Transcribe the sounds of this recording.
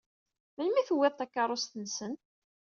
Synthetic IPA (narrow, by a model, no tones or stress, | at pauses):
mənmiθwːɪðˤt̪ækːɑɾˤost̪ənsən